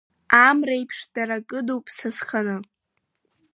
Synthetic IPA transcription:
amrejpʰʂdaɾakʼɨdowpʼsasχanɨ

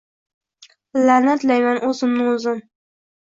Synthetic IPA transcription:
lanat̪lajmanʔɵzɪmnɪŋʊzɪn

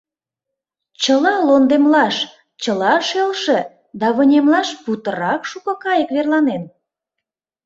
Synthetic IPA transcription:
t͡ɕəlɑlond̪emlɑʃ | t͡ɕəlɑʃelʃĕ | d̪ɑβə̆nʲemlɑʃput̪əɾɑkʃukɤ̆kɑjəkβerlɑnen

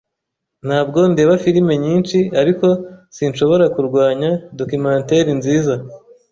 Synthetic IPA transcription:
n̥haːbɡo̞nde̞ːβafiɾime̞ɲiːnt͡ʃiaɾiko̞sinʃo̞βo̞ɾakuɾɡwaːɲado̞kumãːnte̞ɾinziːza

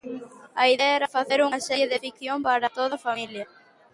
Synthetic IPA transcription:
ɐiðeɐɛɾɐfaθeɾuŋɐsɛɾjeðɪfik̚θjompaɾɐt̪oðɐfamiljɐ

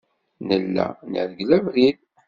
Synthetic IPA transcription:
nəlːæ̰nə̰ðɡlævɾil

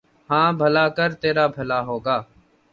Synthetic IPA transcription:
hãːbʱəlaːkəɾt̪eːɾaːbʱəlaːɦoːɡaː

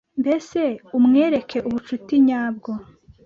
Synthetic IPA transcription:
mbe̞se̞umŋe̞ːɾe̞kʰe̞ʔuβut͡ʃutiɲaːb̚ɡo

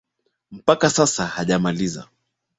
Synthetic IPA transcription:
m̩pakasasahaʄamaliza̰

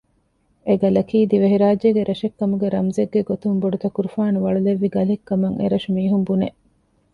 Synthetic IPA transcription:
eɡɐlɐkiːd̪iʋɐɦiɾaːd͡ʒeɡeɾɐʃekːɐmuɡeɾɐmzeɡːeɡot̪umboɖut̪ɐkuɾufaːnuʋɐɭuleʋːiɡɐlekːɐmɐŋʔḛɾɐʃumiːɦumbune

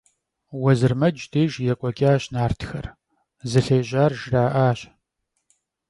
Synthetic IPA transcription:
wɐzɨrmɐd͡ʒdʰeːʒjɛkʷʼɔkʲʼaːɕnaːrtʰxɐ̰r | zɨɬeːʑaːrʒraːʔaːɕ

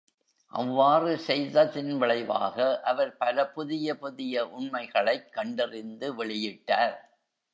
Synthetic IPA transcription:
ʔɐ̰ʋːaːrɯsɛjðɐðɪnʋɪɭɐɪʋa̰ːɣɐʔɐʋɐɾpɐlɐpʊðɪjɐpʊðɪjɐʔʊɳmɐɪɣɐɭɐɪkːɐɳɖɪrɪnd̪ɯʋɛɭɪjɪʈːaːɾ

